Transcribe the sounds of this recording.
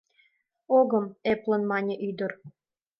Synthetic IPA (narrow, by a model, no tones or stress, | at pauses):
oɡɤ̆meplˠɤ̆nmɑnʲĕʔyd̪ɤ̆r